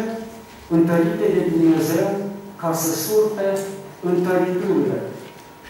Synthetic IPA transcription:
ɨnt̪əɾit̪ed̪e̞d̪umne̞zewkasəsulpeɨnt̪əɾit̪uwilḛ

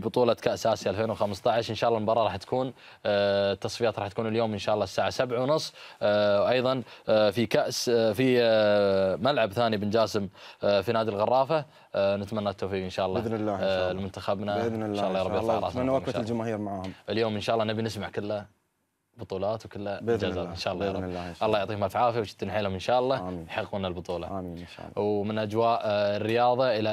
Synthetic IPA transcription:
bʊt̪ˤuːlɑkaʔsaːsiʔalfeːnwxamst̪ɑʕɪʃʔɪnʃaːʔlːɑmbɑrˤːɑɾˤɑːħt̪ḁkuːn | t̪ːɑsˤfijaːt̪ɾˤɑːħt̪ḁkuːnɪljoːmʔənʃaːʔlˤːɑːsːaːʕasabʕawnʊsˤː | ʔɑjðˤɑnfikaʔsfi | malʕabθaːnibɪnd͡ʒaːsɪmfinaːd̪ilɣɑrˤːɑːfa | nɪt̪manːat̪ːoːfiːqʔɪnʃaːʔlˤːnlːalmʊnt̪axabnaʃaːʔlːɑjɾˤɑbbiɣɾˤɑːnːwald͡ʒamaːhiːɾmaʕaːhʊmʔɪljoːmʔɪnʃaːʔɑlːɑnabinɪsmaʕkɪlːa | bʊt̪ˤuːlɑːt̪wkɪlːad͡ʒaza̰ːɪnʃaːʔlˤːɑjaʔɑlːɑːjʊʕt̪ˤiːhmafʕaːfiawʃɪ̥t̪ːnħaːlhʊmʔɪnʃaːʔɑlˤːɑjħɑɣːunalbʊt̪ˤuːlɑ̰inʃa̰wmɪnʔad͡ʒwaːʔrːɪjɑːðˤɑʔɪla

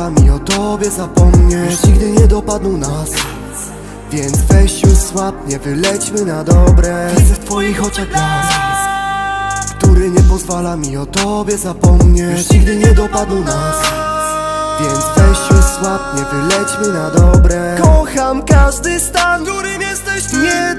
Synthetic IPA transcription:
amʲiɔt̪ɔbʲjɛzapɔmɲɛt͡ɕɲiɡd̪ɘɲɛd̪ɔpad̪nunas | vʲjɛnd̪zvɛɕt͡ɕuswap̚ɲɛvɘlɛt͡ɕmɘnad̪ɔbɾɛst̪fɔjixɔt͡ʂɛka | kt̪uɾɘɲɛpɔzvalamʲiɔt̪ɔbʲjɛzapɔmɲɛiɡd̪ɘɲɛd̪ɔpad̪nunas | vʲjɛnd̪zvɛɕt͡ɕuswap̚ɲɛvɘlɛt͡ɕmɘnad̪ɔbɾɛkɔxamkaʐd̪ɘst̪anjɛst̪ɛ | ɲɛ

